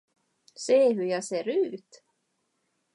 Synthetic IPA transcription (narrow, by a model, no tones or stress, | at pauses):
seːɦɵjɑːseːɾʉ̟ːt̪